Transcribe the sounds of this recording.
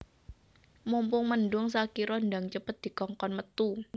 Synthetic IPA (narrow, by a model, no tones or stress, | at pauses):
mumpʊŋmənɖʊŋs̬akiɾɔnɖaŋt͡ʃəpət̪̚d̪̥i̤kɔŋkɔnmət̪u